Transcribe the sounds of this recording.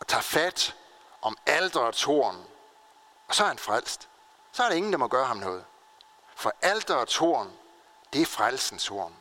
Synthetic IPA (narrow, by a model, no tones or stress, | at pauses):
ɒ̽t͡sʰɑ̰̈ːfæd̥ | ʔɒ̽mæld̥ʁɐɒt͡sʰo̝ɐ̰n | ɒ̽sɒhænfʁal̰sd̥ | sɒ̽æɐɾee̝ŋn̩d̥ɑmɒɡ̥ɶːɐɦɑmnɔ̽ːð̞̩ˠ | fɒ̽ʔæld̥ɐɒt͡sʰo̝ɐ̰n | d̥e̝æɐfʁalsn̩sʰo̝̰ɐ̰n